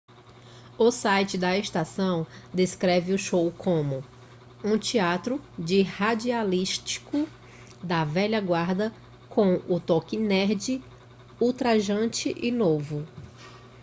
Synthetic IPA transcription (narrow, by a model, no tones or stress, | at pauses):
ʊsajt͡ʃɪd̪ɐeʃt̪asɐ̃w̃d̪eskɾɛvɪʊʃowkʰõmʊ | ũt͡ʃiat̪ɾʊd͡ʒɪhad͡ʒialiʃt͡ʃi̥kʊ | d̪ɐvɛʎɐɡwaɾd̪ɐ | kõw̃ʊt̪okɪnɛɾd͡ʒɪ | uwt̪ɾaʒɐ̃t͡ʃɪʔɪnovʊ